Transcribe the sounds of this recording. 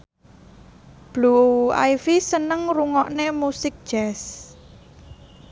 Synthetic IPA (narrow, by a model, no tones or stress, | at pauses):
b̥lua̰jfisənəŋɾuŋɔʔnemusɪk̚d̥ʒ̥ɛs